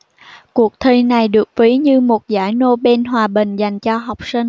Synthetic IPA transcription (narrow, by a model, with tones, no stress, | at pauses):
ku˨˩ək̚t̪ʰi˧na˨˩jɗɨ˨˩ək̚vi˨˦ɲɨ˧mo˨˩t̚za̰ː˧˩jno˧ɓe˧nɦwaː˨˩ɓï˨˩ŋ̟za˨˩jŋ̟t͡ɕɔ˧ɦa˨˩wk͡p̚si˧ŋ̟